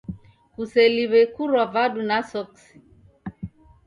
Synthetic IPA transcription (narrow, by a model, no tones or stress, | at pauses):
kusɛliβɛkuɾwavaɗunasɔksi̥